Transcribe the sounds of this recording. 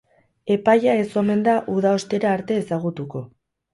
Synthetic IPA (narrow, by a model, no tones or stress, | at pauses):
e̞pajae̞so̞me̞nd̪aʔuðao̞st̪e̞ɾaːɾt̪e̞ːsaɣ̞ut̪uko̞